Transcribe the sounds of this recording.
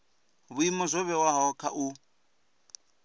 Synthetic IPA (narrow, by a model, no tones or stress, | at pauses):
βuimɔzʷɔβɛwaɦɔkʰaʔu